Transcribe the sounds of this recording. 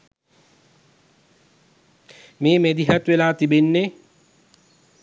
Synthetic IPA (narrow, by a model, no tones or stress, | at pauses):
meːmed̪iɦat̪welaːt̪ibenːe